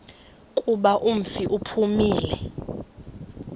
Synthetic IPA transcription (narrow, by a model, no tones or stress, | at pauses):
kʼuɓaʔum̩fiʔupʰumiːlɛ